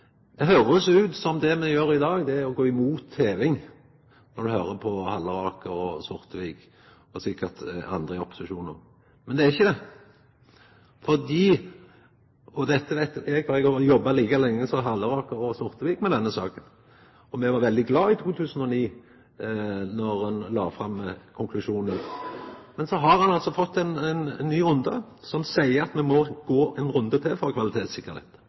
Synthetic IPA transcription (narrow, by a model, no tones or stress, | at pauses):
d̪ɛɦøːɾəɔsɔʉːt̪sɔmd̪ɛmɛjøːɾɪd̪ɑːɡd̪ɛæɾɔɡoːɪmuːt̪ʰːeːʋɪŋ | nɔd̪ʉhøːɾəpʰɔhɑlːəɾɑːkəɾɔsʊʁt̪ʋiːk | ɔsɪkːəʁt̪ɑ̰nd̪ɾəɔpːʊ̥sɪʃuːnə̰ʁ | mɛnd̪ɛæɾɪçːəd̪ɛ | fɔd̪iː | ɔd̪ɛt̪ːəʋæɪt̪ɛɡfɑɛɡɑjɔbːɑliːkəlɛŋːəsɔɦɑlːəɾɑːkəɾɔsʊʁt̪əʋiːkmɛd̪ɛnːəsɑ̰ːkən | ɔmɛʋɑɾʋɛld̪ɪɡlɑːɪt̪ʰuːt̪ʰʉːsən̩ɔniː | nɔɾɑnlɑ̰ːfʁɑmːkʰʊŋkʰlʉʃuːnən | mɛnsɔɦɑʁhɑnɑlsɔfɔt̪ːɛɪnɛnnnːyːʊnd̪ə | sɔmsæɪəɾɑt̪mɛmɔɡ̥oːɛnɾʉnd̪ət̪ʰɪfɔʁkʰʋɑlɪt̪ʰeːt̪sɪkːəɾhḛːt̪